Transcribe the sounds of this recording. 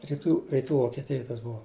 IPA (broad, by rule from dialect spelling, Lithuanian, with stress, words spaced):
rʲɪˈtuː rʲɪˈtuː ʋoːkʲɛˈtʲɪjoːj tɐs ˈbʊʋɐ